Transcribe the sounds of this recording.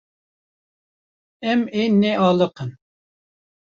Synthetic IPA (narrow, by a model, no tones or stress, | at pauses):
ɛmenːɛʔɑːlˠəqʰən